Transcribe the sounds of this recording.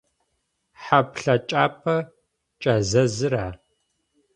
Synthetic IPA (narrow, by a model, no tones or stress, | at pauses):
ħapɬɐt͡ʃʼaːpʰɐ | t͡ʃʼɐzɐzɨɾaː